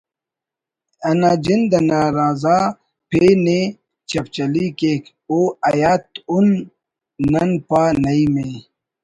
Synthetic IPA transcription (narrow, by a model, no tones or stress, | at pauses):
ɐnaːd͡ʑind̪ɐnaːɾaːzaː | pʰene | t͡ɕɐp̚t͡ɕɐlikeːk | oːɐjaːt̪unː | ɐnpanɐime